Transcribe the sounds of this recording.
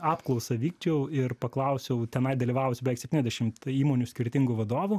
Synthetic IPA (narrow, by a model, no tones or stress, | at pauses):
ɑːpklˠɔʊsɐʋʲiːkt͡ʃʲɛʊɪrpɐklˠɐʊsʲɛʊt̪ʲɛnɐɪd̪ɐlʲiːʋɑːʋʊsʲʊbʲɛʋʲɛɪksʲɛp̚ʲt̪ʲinɛzʲd̪ʲɛʃʲɪmt̪iːmoːnʲusʲkʲɪɾʲt̪ʲɪŋɡʊʋɐd̪oːʋʊ